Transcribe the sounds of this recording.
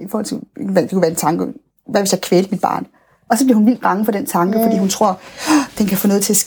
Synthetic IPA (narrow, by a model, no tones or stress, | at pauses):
ifɔ̰ːhɒl̰t͡sʰe̝ʋæd̥e̝kʰuʋæɐe̝nt͡sʰɑ̈ŋɡ̥ə | ʋæʋe̝sjɑ̈kʰʋeːl̥mid̥b̥ɑ̰̈ːn | ɒ̽sɒ̽bliɐhunʋil̰d̥ʁɑ̈ŋ̩fɒ̽ɾ̥ent͡sʰɑ̈ŋɡ̥əfɒdḭːhunt͡sʰʁo̝ɐ̰d̥enkʰæfɔ̽nɔ̽ːð̞̩ˠt͡sʰe̝æs